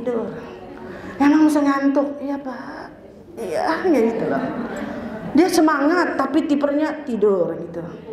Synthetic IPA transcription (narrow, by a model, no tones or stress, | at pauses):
dʊr | jamaŋmis̬aŋant̪ʊk̚ijapa | ija̰ŋɡaɡit̪ula̰h | diasəmaŋat̪ːapit̪ipərɲat̪idʊrit̪u